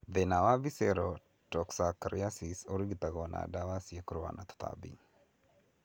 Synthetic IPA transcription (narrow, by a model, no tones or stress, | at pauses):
ðɛnawavisɛɾɔ | tɔksakɾiasisoɾiɡit̪aɣɔna̰dawasjekɾwa̰nʔat̪ɔ̥t̪ʰa̰bḭ